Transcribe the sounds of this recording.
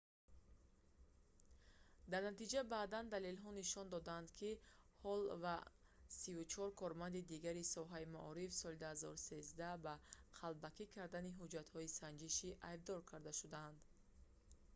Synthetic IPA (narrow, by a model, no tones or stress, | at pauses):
d̪aɾnat̪id͡ʒabaːd̪and̪alelɦɔniʃɔnd̪ɔd̪and̪kʰihɔlva | sivut͡ʃʰɔɾkʰɔɾmand̪id̪iɡaɾisɔɦaimaʔɔɾifsɔlid̪uhazɔ̰ɾuse̞zd̪ahbaqʰalbakʰikʰaɾd̪aniɦud͡ʒat̪hɔisand͡ʒiʃiʔajb̚d̪ɔɾkʰaɾd̪aʃud̪and̪